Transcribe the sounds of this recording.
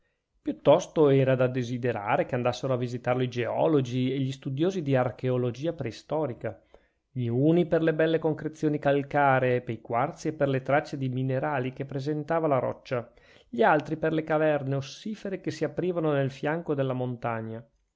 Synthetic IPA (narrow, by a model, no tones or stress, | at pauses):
pjut̪ːɔst̪oɛːɾad̪ad̪ezid̪eɾa̰ːɾekeand̪asːeɾoavːizit̪arloid͡ʒeɔ̰lod͡ʒieʎist̪ud̪joːzid̪iarkeolod͡ʒiːapɾɛist̪ɔːɾika | ʎiuːniperlebɛlːekoŋkɾet̪sːjoːnikalkaːɾeːpːejkwart̪siepːerlet̪ɾat͡ʃːed̪imineɾaːlikepːɾezent̪aːvalaɾɔ̰t͡ʃːa | ʎialt̪ɾiperlekavɛrneosːiːfeɾekesiapːɾiːvanonelfjaŋkod̪elːamont̪aɲːa